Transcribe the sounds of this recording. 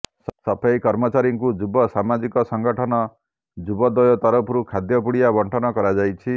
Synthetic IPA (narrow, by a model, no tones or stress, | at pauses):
sɔpʰajkɔɾmɔt͡ʃaɾiŋkud͡ʒubɔsamad͡ʒikɔsɔŋɡɔʈʰɔnɔ | d͡ʒubɔd̪ɔjɔt̪ɔɾɔpʰɾukʰad̪jɔpuɽijabɔɳʈʰɔnɔkɔɾad͡ʒajt͡ʃʰi